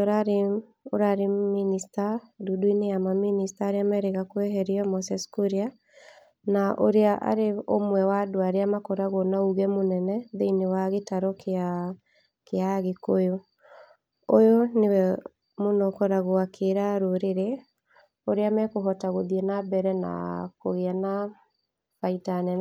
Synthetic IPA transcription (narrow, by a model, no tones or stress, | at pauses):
oɾaɾe | oɾaɾeministadudoinejamaministaɾeamɛɾeɣakwɛɦɛɾiɔmɔsɛskuɾia | naʔo̰ɾeaʔa̰ɾeomwɛwadoaɾeamakɔɾaɣonauɣɛmonɛnɛðeinewaɣetaɾɔka | keaɣekojo | ojonewɛ | monɔkɔɾaɣoakʰeɾaɾoɾeɾe | oɾeamɛkoɦɔtaɣoðiɛnabɛɾɛna̰ko̰ɣeana | faitanɛ